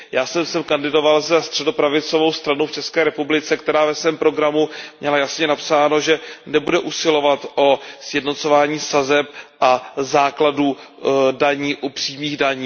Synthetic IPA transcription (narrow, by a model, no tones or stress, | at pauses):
jaːsɛmsɛmkandɪdo̞valzɛst̪r̥ɛdo̞pɾavɪt͡so̞vo̞wst̪ɾanowft͡ʃɛskɛːɾɛpublɪt͡sɛkt̪ɛɾaːvɛsvɛːmpɾo̞ɡɾamumɲɛlajasɲɛnapsaːno̞ʒɛnɛbudɛʔusɪlo̞vat̪ʔosjɛdno̞t͡sovaːɲiːsazɛp̚ʔazaːkladudaɲiːʔupr̝̥iːmiːɣdaɲː